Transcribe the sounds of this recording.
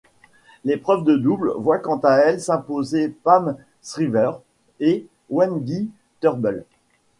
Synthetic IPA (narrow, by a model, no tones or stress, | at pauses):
lepχœvd̪əd̪ublvwakɑ̃t̪aɛlsɛ̃pozepam | sχivœʁ | e | wɛnɡʲi | t̪œʁbəl